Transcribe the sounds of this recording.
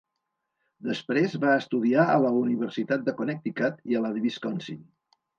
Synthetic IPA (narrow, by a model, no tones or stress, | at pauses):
d̪əspɾezβaəst̪uðiaə̰ləuniβəɾsit̪at̪̚d̪əkonɛk̚t̪ikat̪iəlaðβiskɔnsin